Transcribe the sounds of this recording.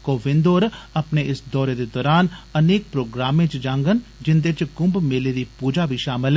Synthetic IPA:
koːʋɪ̃nd̪oːɾɐpneʔɪsd̪ɔːɾed̪ed̪ɔːɾaːnɐneːk̚pɾoːɡɾaːmẽt͡ʃd͡ʒãːŋɡənd͡ʒɪnd̪et͡ʃɡʊ̃mbmeled̪ipuːd͡ʒabʱiʃaːmɪl

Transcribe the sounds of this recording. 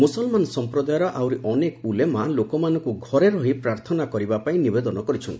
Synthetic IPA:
musɔlmanɔsɔmpɾɔd̪ajɔɾɔʔawɾiʔɔnekɔulemalokɔmanɔ̃ŋkuɡʱɔɾeɾɔɦipɾaɾt̪ʰɔnakɔɾibapaĩnibed̪ɔnɔkɔɾit͡ʃʰɔnt̪i̥

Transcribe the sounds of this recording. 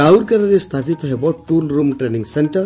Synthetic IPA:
awɾkɐɾɐɾest̪ʰapit̪ɔɦebɔʈʈulɾumʈɾenĩŋɡseɳʈəɾ

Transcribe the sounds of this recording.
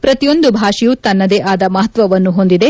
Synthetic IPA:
pɾɐt̪ijo̞nd̪ubʱaːʂijut̪ɐnːɐd̪eʔaːd̪ɐmɐɦɐt̪ʋɐʋɐnːuɦo̞nd̪id̪e̞

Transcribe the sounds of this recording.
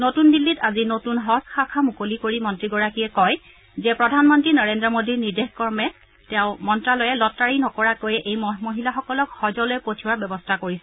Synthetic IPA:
notundilːitazinotunɦɔsxakʰamukolikoɹimɔntɹiɡɔɹakijɛkɔj | zɛpɹɔdʱanmɔntɹinɔɹendɹɔmodiɹniɹdexkɔɹmɛ | tɛʊ̃mɔntɹalɔjɛlɔtːaɹinɔkɔɹakojɛʔejmmoɦilaxɔkɔlɔkxɔzɔlojɛpotʰiwaɹbɛbɔstʰakoɹisɛ

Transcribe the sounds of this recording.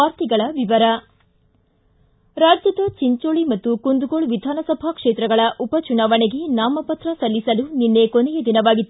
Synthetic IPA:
aːɾt̪iɡɐɭɐʋiʋɐɾɐ | ɾaːd͡ʒjɐd̪ɐt͡ʃiɲt͡ʃoːɭimɐt̪ːukund̪uɡoɭʋid̪ʱaːnɐsɐbʱakʂeːt̪ɾɐɡɐɭɐʔupɐt͡ʃunaːʋɐɳeɡe̞naːmɐpɐt̪ɾɐsɐlːisɐluninːe̞konejed̪inɐʋaːɡit̪ːu

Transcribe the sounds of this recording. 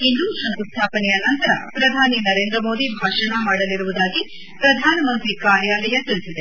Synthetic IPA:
ɦind̪usɐŋk̪ust̪ʰaːpɐnɛjɐnɐnt̪ɐɾɐ̰pɾɐd̪ʱaːninɐɾeːnd̪ɾɐmo̞ːd̪ibʱaːʂɐɳɐmaːɽɐliɾuʋud̪aːɡi | pɾɐd̪ʱaːnɐmɐnt̪ɾikaːɾjaːlɐjɐt̪iɭisid̪e̞

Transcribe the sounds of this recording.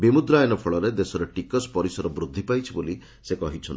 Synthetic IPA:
bimud̪ɾajnɔpʰɔɭɔɾed̪esɔɾeʈikɔspɔɾisɔɾɔbɾud̪ʱːipajt͡ʃʰiboli | sekɔɦit͡ʃʰɔn

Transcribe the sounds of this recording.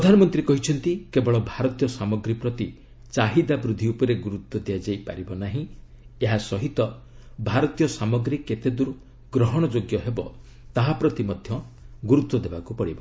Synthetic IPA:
pɾɔd̪ʱanɔmɔnt̪ɾiekɔɦit͡ʃʰɔnt̪ikebɔɭɔbʱaɾɔt̪ijɔsamɔɡɾipɾɔt̪i | t͡ʃaɦid̪abɾud̪ʱiupɔɾeɡuɾut̪wɔd̪ead͡ʒajpa̰ɾibɔnaɦĩ | eɦasɔɦit̪ɔ | bʱaɾɔt̪ijɔsamɔɡɾikːet̪ed̪uɾ | ɡɾɔɦɔɽ̃ɔd͡ʒoɡjɔɦebɔ | t̪aɦapɾɔt̪imɔd̪ʱjɔɡuɾut̪wɔd̪ebakupɔɽibɔ

